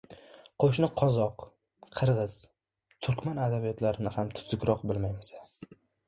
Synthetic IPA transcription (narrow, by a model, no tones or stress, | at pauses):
qʰoʃ̬nɪqʰɒzɒqʰ | ɨɾʁɨz̥ | t̪ʰʊɾkʲmanad̪abijɒt̪ʰlaɾɪnɪhamt̪ʰʊ̥z̥ʊkʲɾɒqbɪlmajmɪsḁ